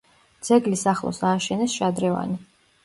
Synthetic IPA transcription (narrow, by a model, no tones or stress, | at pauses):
d̪z̥ɛɡlisaχlˠɔ̰saːʃɛnɛsʃad̪ɾɛva̰ni